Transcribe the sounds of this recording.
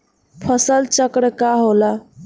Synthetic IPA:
pʰəsəlt͡ʃəkɽkaɦola

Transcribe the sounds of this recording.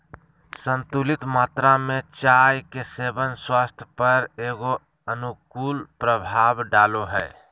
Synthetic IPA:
sə̃nt̪ulɪt̪maːt̪ɾamẽt͡ʃaːjkeseːbənswaːst̪ʰjəpəɾeːɡo | ənukuːlpɾəbʱaːbɖaːloɦɛː

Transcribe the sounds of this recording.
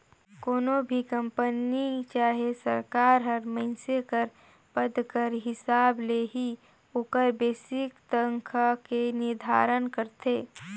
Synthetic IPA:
koːnobʱikə̃mpənit͡ʃaːɦesəɾkaːɾɦɐɾməɪnsekəɾ | pəd̪kəɾɦɪsaːbleɦi | ʊkəɾbeːsɪkt̪əŋkʰakenɪɾd̪ʱa̰ːɾənkəɾt̪ʰeː

